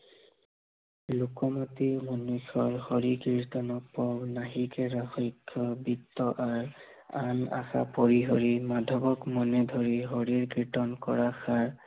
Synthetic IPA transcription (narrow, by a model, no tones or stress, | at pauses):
lukɔmɔtimɔnuxɔɹhɔɹikiɹtɔnɔpɔbnaɦikɛɹaxɔjkʰːɔbitːɔʔaɹ | ana̰xa̰poɹiɦɔɹimadʱɔbɔkmɔnɛdʱɔɹiɦɔɹiɹkɹitɔnkɔɹaxʰaɹ